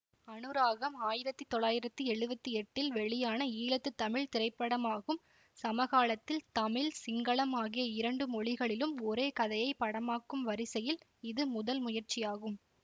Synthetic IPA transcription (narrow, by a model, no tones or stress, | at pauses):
ɐnɯɾaːɣɐmaːjɪɾɐt̪ːit̪ːɔɭːaːjɪɾɐt̪ːɯɛɻɯbɐt̪ːiɛʈːɪlʋɛɭɪjaːnɐiːlɐt̪ːɯt̪ːɐmɪɭt̪ɪɾɐɪpːɐɽɐmaːɣɯm | sɐmɐɣaːɭɐt̪ːɪlt̪ɐmɪɭsɪŋɡɐɭɐmaːɣɪjɐɪɾɐɳɖɯmɔɭɪɣɐɭɪlɯmɔɾeːkɐðɐjɐɪpːɐɽɐmaːkːɯmʋɐɾɪsɛjɪl | ɪðɯmʊðɐlmʊjɐɾt͡ʃːɪjaːɣɯm